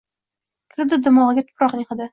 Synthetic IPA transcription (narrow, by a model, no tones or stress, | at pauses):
kʲʰɪɾd̪ɪd̪ɪmɒʁɨɡʲat̪ʰʊ̥pɾɒqnɪχad̪ɪ